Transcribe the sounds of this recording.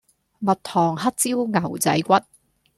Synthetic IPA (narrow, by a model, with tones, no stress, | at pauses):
mɐ˨t̚t̪ʰɔː˨˩ŋɦɐ˥t̚t͡siː˥wŋɐ˨˩wt͡sɐ̰˨˥jkʷɐ˥t̚